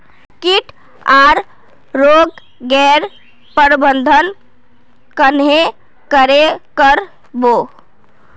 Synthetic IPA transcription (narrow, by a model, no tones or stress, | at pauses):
kiʈʰ | aɾ | ɾoɡ | ɡɛɾ | pəɾbənd̪ʱən | kənɦe | kəɾekəɾ | bo